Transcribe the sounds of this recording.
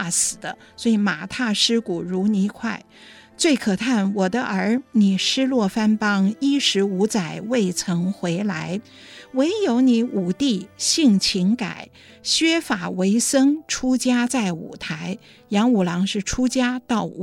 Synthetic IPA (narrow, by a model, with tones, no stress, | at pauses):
a˥˩sɹ̩˨˩d̪ə˦ | swɔ˧˥i˧˥ma˨˩t̪ʰa˥˩ʂɻ̩˥ku˨˩ɻu˧˥ni˧˥kʰwa˥˩ɪ | t͡swe˥˩ɪkʰɤ˨˩t̪ʰa˥˩nwɔ˨˩d̪ə˦ʔə˞˧˥ni˨˩ʂɻ̩˥lwɔ˥˩fa˥npɑ˥ŋi˥ʂɻ̩˧˥u˧˥t͡sa˨˩ɪwe˥˩ɪt͡sʰɤ˧˥ŋxwe˧˥ɪla˧˥ɪ | we˧˥ɪjo˧˥ʊni˧˥u˨˩t̪i˥˩ɕi˥˩ŋt͡ɕʰi˧˥ŋka̰˨˩˦ɪ | ɕɥɛ˥fa˨˩we˧˥ɪsɤ˥ŋʈ͡ʂʰu˥t͡ɕja˥t͡sa˥˩ɪṵ˨˩t̪ʰa˧˥ɪ | jɑ˧˥ŋu˨˩lɑ˧˥ŋʂɻ̩˥˩ʈ͡ʂʰu˥t͡ɕja˥t̪ɑ˥˩ʊ˨